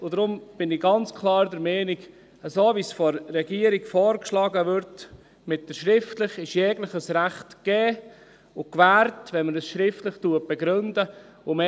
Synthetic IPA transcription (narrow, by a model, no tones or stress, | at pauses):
ʊd̥̪ɾʊmb̥ɪnɪɡɑnt͡skʰlɑːɾdəɾmɛːnɪk | əsoːʋisfɔɾːɛɡiəɾiɡfɔːɾkʃlɑːɡəʋʏɾt | mɪt̚d̥əɾʃɾɪftlɪχɪʃjɛːɡləχəsɾæχtkɛː | ʊkvæːɾtʋɛnməɾəsʃɾɪftləχtuət̚b̥ɛɡɾɵndə | ʊme